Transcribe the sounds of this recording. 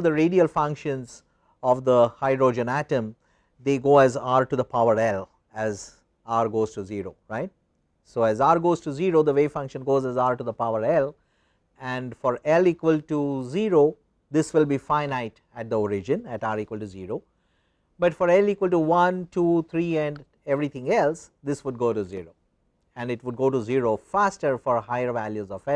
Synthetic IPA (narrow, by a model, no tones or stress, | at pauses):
d̪əɾeɖiəlfʌ̃ŋkʃə̃nz | ɔʋd̪əhaɪɖɾoːd͡ʒə̃næʈə̃m | d̪eːɡoːæzaːɾʈud̪əpʰaʊəɾɛl | æz | aːɾɡoːz̥ʈuziːɾo̰ːɾaɪʈ̚ | soːæzaːɾɡoːzʈuziɾoːd̪əʋeːfʌ̃ŋkʃə̃nɡoːzɛzaːɾʈud̪əpaʊəɾɛl | ɛ̃ɳɖfɔɾɛliːkʋəlʈuziːɾo | d̪ɪsʋɪlbiːfãɪnaɪʈ | æʈ̚d̪əɔɾɪd͡ʒə̃næʈaːɾiːkwəlʈuziːɾoː | bʌʈfɔɾɛlikwəlʈuʋʌ̃nʈʰuːt̪ʰɾiːɛ̃ɳɖ | ɛʋɾit̪ʰɪ̃ŋɛlsd̪ɪsʋʊɖ̚ɡoːɾuziɾoː | ɛ̃nɖɪʈʋʊɖ̚ɡoːʈuziɾofæsʈəɾfɔɾɦaɪəɾʋæljuzɔfɛ